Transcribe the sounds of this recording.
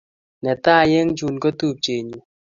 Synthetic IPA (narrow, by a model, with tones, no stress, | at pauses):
nɛ˨t̪a˦˨je˦ŋd͡ʒu˨nko˦t̪u˦˨p̚t͡ʃe˨ɲu˨